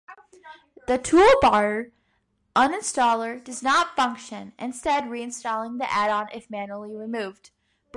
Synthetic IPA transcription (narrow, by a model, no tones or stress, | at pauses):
ðɨtʰulˠbɑɹɾə˞ | ʔʌ̃nɨ̃nstɔlˠə˞dʌznətfʌ̃ŋkʃɨ̃nʔɨ̃nstɛd̚ɹiɨ̃nstɔlˠɪ̃ŋðiʔæɾɑ̃nʔɪfmæ̃nul̩ˠiɹɨmʉvd | b̥